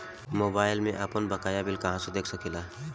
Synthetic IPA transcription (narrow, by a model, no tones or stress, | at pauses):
moːbaːɪlmẽʔaːpənbəkaːjabɪlkɐɦãsed̪eːkʰsəkila